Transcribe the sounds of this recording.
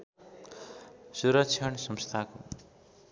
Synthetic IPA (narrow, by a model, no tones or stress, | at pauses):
suɾʌk̚t͡ʃʰʌɳsʌmst̪ʰako